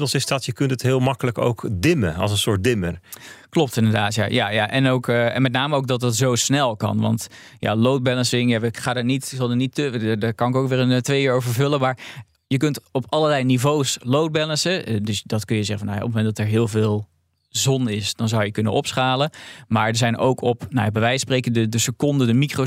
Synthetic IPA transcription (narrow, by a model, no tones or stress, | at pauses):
tlˠsɪsdɔtjəkɵntətɦɪːlˠmɑkələko̰wkdɪməɑ̰lˠsənsʊːɹt̚dɪmərklɔp̚tɪndəɹdaːtja̰jaja̰ʔɛ̰nowkɛ̰nmɛt̬̚ⁿnaːməowk̚dɑt̚dɑtzowsnɛlˠkɑ̰nʋɑ̰nt | ja̰lowt̚bɛlənsɪŋjaəχaːdaːnitɪksɑlˠdənitːdaːkɑnɪkowkʋɪːrəntʋejiːɹowvəɹvɵləmaːɹ | jəkɵntɔpɑləɹlɛjnivowslowd̚bɛlənsədɵsdɔtkɵnjəzɛχəfɔnaja̰ʔɔpmomɛndɑtɛɹɦɪːlˠvɪːlˠ | zɔnɪsd̥ɔnzawjəkɵnə̰ɔpsχaːləmaːɹdəɹzɛjno̰wkʰɔpnawjabəʋɛjsprekədədəsəkɔndədəmikro